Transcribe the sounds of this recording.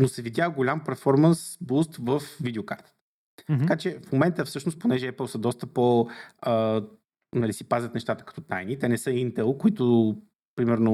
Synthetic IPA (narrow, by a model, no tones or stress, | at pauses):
nosɛvid̪ʲjaɡolʲampɛɾfɔɾmənsbust̪vəfvid̪ɛoka̰ɾt̪ə̥t̪ə̥ | t̪ɐkat͡ʃɛfmomɛnt̪əfsɤʃnost̪̚ponɛʒɛɛpəlˠsəd̪ɔst̪əpoə | nɐlisipazʲət̪nɛʃt̪at̪ə̥kɐ̥t̪ɔt̪ajnit̪ɛnɛsɤint̪ɛlˠkoʊit̪o | pɾimɛɾno